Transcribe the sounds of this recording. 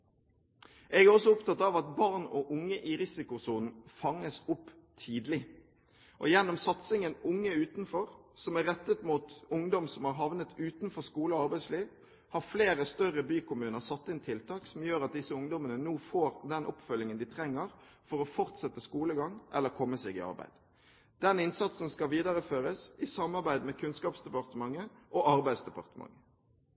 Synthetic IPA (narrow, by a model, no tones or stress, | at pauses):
ʔɛɡæɾɔsːɔʊpt̪ʰɑt̪ːɑʋɑt̪bɑʁnɔʔʊŋːəʔɪʁɪsɪkʊsuːnn̩fɑŋːəsʊpː | t̪ʰiːd̪lɪ | ʔɔ̰jɛnːɔmsɑt̪sɪŋənʊŋːəʉːt̪nfɔʁsɔmæʁɛt̪ːət̪muːt̪ʊŋd̪ɔmsɔmhɑɾɦɑʋnət̪ʉːt̪n̩fɔʁskuːləɔɑɾbæɪsliːʋ | hɑʁfleːɾəst̪œʁəbyːkʊmʉːnəʁsɑt̪ːɪnt̪ʰɪlt̪ʰɑːksɔmjøːɾɑt̪̚d̪ɪsəʊŋd̪ɔmənənuːfoːɾd̪ɛnʔɔpfœlːɪŋənd̪ɪt̪ʰɾɛŋːəʁ | fɔɾɔfɔʁt̪sɛt̪ːəskuːləɡɑŋʔɛ̰lːəɾkʰɔmːəseːɡɪ̰ɑ̰ɾʁbæ̰ɪd̪ | d̪̥ɛnɪnsɑt̪sn̩skɑʋiːd̪ɑʁəføːɾəsɪsɑmɑʁbæɪd̪mɛkʰʉnskɑːpsd̪ɛpɑʁt̪əmɑŋːəʔɔɑɾbæɪsd̪ɛpɑ̰ʁt̪əmɑ̰ŋːə